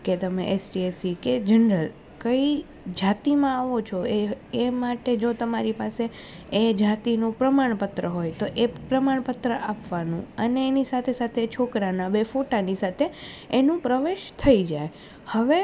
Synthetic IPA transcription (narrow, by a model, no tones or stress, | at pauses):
ket̪əmeʔesʈiesiked͡ʒənɾəl | kəi | d͡ʒat̪imãaʋot͡ʃʰoeemaʈed͡ʒot̪əmaɾipase | ed͡ʒat̪inũpɾəmaɳpət̪ɾəɦojt̪oʔepɾəmaɳ̃pət̪ɾəʔapʋanṵ̃əneːnisat̪ʰesat̪ʰet͡ʃʰokɾanabefoʈanisat̪ʰeː | nũpɾəʋeʃt̪ʰəid͡ʒaj | həʋe